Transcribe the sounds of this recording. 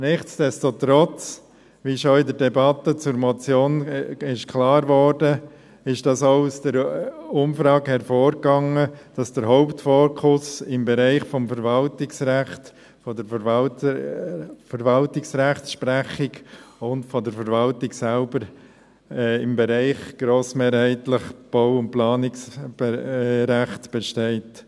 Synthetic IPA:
nɪχt͡sd̥ɛstot̪ɾɔt͡s | ʋiʃɔɪdəɾdɛbɑt̪ːət͡sʊɾmɔt͡sjoːnɪʃkʰlɑːɾʋɔːɾdə | ɪʃd̥ɑsoʊusd̥əɾʊmfɾɑːɡhɛɾfoːɾkɑŋəd̥ɑsd̥əɾɦɔʊptfɔːɾkʰʊsɪmbɛɾæɪχfɔmfəɾvɑltɪksɾæχt | fɔdəɾf | fəɾvɑltɪksɾæχtsʃpɾæχɪɡʊntfɔdəɾfəɾvɑltɪksælbəɾ | ɪmbɛɾɛɪχɡ̥ɾoːsmeːɾhɛɪtləχb̥aʊʊnt̚plɑːnɪksbɾæχtb̥ɛʃteɪt

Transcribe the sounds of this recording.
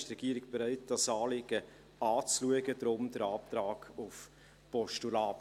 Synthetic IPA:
ʃtɾɛɡ̥iːəɾɪɡb̥eɾœɪt̚d̥ɑsɑːlɪɡə | ɑːt͡sluəɡədɾʊmd̥əɾɑːp̚t̪ɾɑːɡ̥ʊf | pɔʃtulɑːp

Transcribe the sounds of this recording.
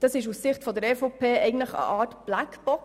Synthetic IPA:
d̥ɑsɪʃ̬ussɪχtfɔd̪əɾɛfɔpʰeːɛɪɡn̩tləχə̰ʔɑːtb̥lækb̥ɔk

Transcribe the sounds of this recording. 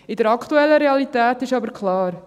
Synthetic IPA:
ɪdəɾɑkχt̪uɛlːəɾeɑlit̪æːtɪʃɑbəɾkʰlɑːɾ

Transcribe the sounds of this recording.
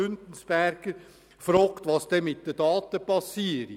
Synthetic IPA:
ʉnd̪n̩sb̥æɾɡ̥əɾ | fɾɔːkt̪ʋɑsd̪̥ɛmɪt̚d̪əd̥ɑːt̪əpɑsiəɾi

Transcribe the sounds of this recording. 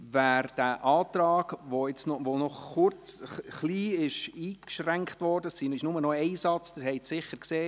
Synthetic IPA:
væːɾd̥æʔɑːt̪ɾɑːɡ̥ʋoɪt͡snɔʋonɔχʊɾt͡sχliːɪʃiːkʃræŋkχtʋɔɾdəssinɪʃnʊmənɔɛɪsɑt͡sd̥əɾɦɛɪtsɪχəɾkseː

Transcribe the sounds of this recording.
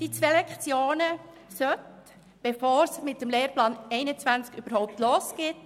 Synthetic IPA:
d̥it͡sʋeːlɛkt͡sjoːnə | sœt | b̥efoːɾsmɪt̚dəmleːɾplɑːnɛɪnət͡svænt͡skyb̥əɾhɔʊp̚tloːsɡ̥ɪt

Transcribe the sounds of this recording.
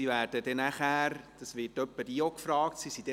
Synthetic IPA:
ivæːɾd̥ədɛnæχæːɾd̥ɑsʋɪtœpːədiːokfɾɑːktsisid̥ɛ

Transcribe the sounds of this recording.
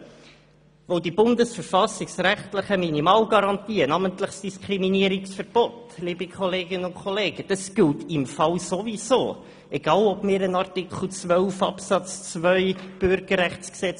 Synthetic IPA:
ʋoʊdibʊndəsfəɾfɑsɪksræχtləχəminimɑːlɡɑɾɑntiːənɑməntləχsd̥iskʰɾiminiəɾiksfəɾb̥ɔt | liːbikχɔleːɡənʊnkχɔleːɡ̥əd̥ɑsɡ̥ɪltɪmfɑwsoviso̰ː | ʔɛɡɑːlɔb̥mɪːɾənɑrtɪkʰl̩ˠt͡svœlfɑ̰psɑt͡st͡svœʏb̥ʏɾɡ̥əɾræχt͡sksɛt͡s

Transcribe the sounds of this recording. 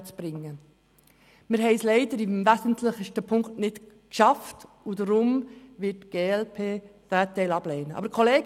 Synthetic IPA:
t͡sb̥ɾɪŋːə | mɪɾɦɛɪslɛɪdəɾimvæsən̩tʰləχəʃtəpʰʊŋktnɪt | kʃɑft | udəɾʊmʋɪtɡ̥eːɛlpʰeːd̥æːtːɛɪlɑblɛːnəɑ̰bəɾkχɔleː

